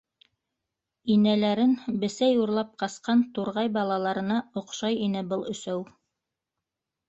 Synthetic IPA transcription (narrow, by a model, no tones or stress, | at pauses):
inælæɾɘnbɘ̆sæjuɾlˠɑp̚qɑsqɑnt̪uɾʁɑjbɑlˠɑlˠɑɾɤ̆nɑŏqʃɑjinɘbɤlˠɵ̆sæw